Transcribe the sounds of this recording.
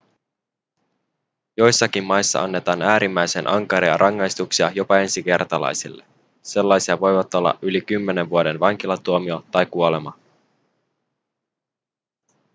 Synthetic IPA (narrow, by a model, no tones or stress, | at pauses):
jo̞jsːɑkimːɑjsːɑ̰ʔɑnːe̞t̪ɑːnæːɾimːæjsenʔɑŋkɑɾiɑ̰ɾʔɑŋːɑjst̪uksiɑjo̞pɑe̞nsik̟e̞rt̪ɑlɑ̰jsilːe̞ | se̞lːɑjsiɑʋo̞jʋɑt̪o̞lːɑ̰ʔylikymːe̞ne̞ʋʋuode̞nʋɑŋk̟ilɑt̪uomio̞t̪ɑjkuole̞mɑ